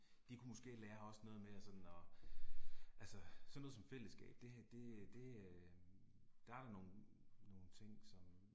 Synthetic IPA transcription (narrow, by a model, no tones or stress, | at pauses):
d̥ikʰumo̽sɡ̥e̝̰ːlæːɐɒ̽snɔ̽ːð̞̩ˠmeæsɒ̽d̥n̩ɒ̽ | ʔælsəsɒ̽nːɔːð̩ˠsɒ̽mfel̰əsɡ̥ɛ̰ːb̥̚d̥e̝d̥e̝d̥e̝ | d̥ɑæɾ̥ɑ̈no̝ːn̩no̝ːn̩t͡sʰe̝ŋ̰sɒ̽m